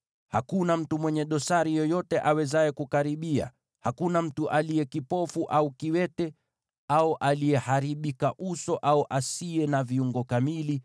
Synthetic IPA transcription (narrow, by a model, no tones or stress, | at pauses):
hakunam̩tumwɛɲɛɗɔsaɾijɔjɔtɛʔawɛzaɛkukaɾiɓia̰ | hakunam̩tuʔalijɛkipɔfuʔaukiwɛtɛ | auʔalijɛhaɾiɓikaʔusɔʔauʔasiɛnaviuŋɡɔkamili